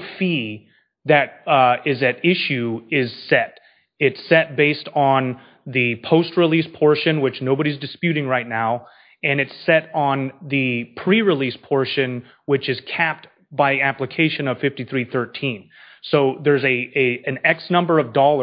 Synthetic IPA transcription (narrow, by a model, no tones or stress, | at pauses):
fi | ðɨɾɪzɨɾɪʃʉɪz̥sɛɾ | ɪtsɛt̚b̥eɪstn̩ | ðɨpʰoʊst̚ɹilispʰɔɹʃɨ̃nwɨt͡ʃnoʊbəɾizdɨspjʉɾɪ̃ŋɹaɪtⁿnaʊ | ɨ̃nɨtsɛɾn̩ðɨpʰɹ̥iɹɨlispʰɔɹʃɨ̃n | wɨt͡ʃɨz̥kʰæp̚t̚ | b̥aɪiæpləkʰeɪʃɨ̃nʌv̥fɪftiθɹiθɜ˞tʰĩn | soʊðə˞zɨɨɨ̃nɛksnʌ̃mbə˞ʌvdɔlˠə